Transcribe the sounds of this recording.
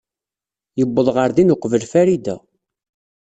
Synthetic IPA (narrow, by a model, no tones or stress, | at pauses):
jəbːəðˤʁəɾðinʊqvəlfæɾid̪æ̰